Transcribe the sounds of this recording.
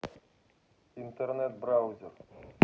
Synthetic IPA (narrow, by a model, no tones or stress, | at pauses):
int̪ernet̪̚brawzʲɪr